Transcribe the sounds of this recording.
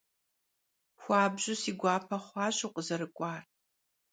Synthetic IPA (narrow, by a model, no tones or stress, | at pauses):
xʷɑːbʑʊsiːɡʷɑːpʰɐχʷɑːɕuqʼəzɐɾɨkʷʼɑːr